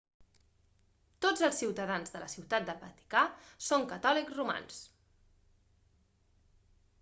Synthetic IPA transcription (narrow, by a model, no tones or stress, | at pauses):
t̪od͡zəlˠsːiwt̪əðanzðələsiwt̪at̪̚d̪əβə̰t̪i̥kasoŋkət̪ɔlikzruma̰ns